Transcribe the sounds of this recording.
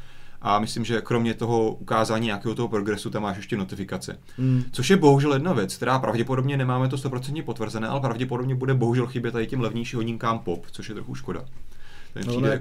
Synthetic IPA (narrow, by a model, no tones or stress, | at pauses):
ʔamɪslimʒɛkɾo̞mɲɛt̪o̞ɦo̞ʔukaːzaːɲiːɲakɛːɦot̪oɦopɾo̞ɡɾɛsut̪amaːʃjɛʃcɛno̞t̪ɪfɪkat͡sɛ̰ | t͡so̞ʃjɛbo̞ɦuʒɛljɛdnavjɛt͡skt̪ɛɾaːpɾavɟɛpo̞dobɲɛnɛmaːmɛt̪̬ost̪o̞pɾo̞t͡sɛnt̪ɲɛpo̞t̪vr̩zɛnɛːʔa̰lɛpɾavɟɛpodobɲɛbudɛbo̞ɦuʒɛlxɪbjɛt̪ːadɪcɛmlɛvɲijʃɪɦoɲɪŋkaːmpo̞pt͡soʃjɛt̪ɾo̞xuʃko̞da̰t̪omɛpriːdɛ